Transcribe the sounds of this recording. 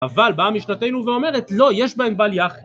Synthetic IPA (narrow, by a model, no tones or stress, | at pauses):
avalbamiʃnate̞jnuveo̞me̞ʁet̪lo̞jeʃbaembaljaχ